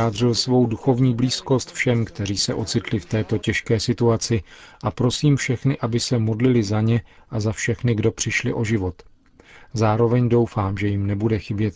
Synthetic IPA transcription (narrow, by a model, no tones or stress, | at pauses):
aːd̪r̝ɪlsvo̞wduxo̞vɲiːbliːsko̞st̪fʃɛmkt̪ɛɾ̝iːsɛ̰ʔo̞t͡sɪt̪lɪft̪ɛːt̪o̞cɛʃkɛːsɪt̪uat͡sɪʔapɾo̞siːmfʃɛxnɪʔabɪsɛmo̞dlɪlɪzaɲɛʔazafʃɛxnɪɡdo̞pr̥ɪʃlɪ̰ʔo̞ʒɪvo̞t̪ | zaːɾo̞vɛɲdo̞wfaːmʒɛjɪmnɛbudɛxɪbjɛt̪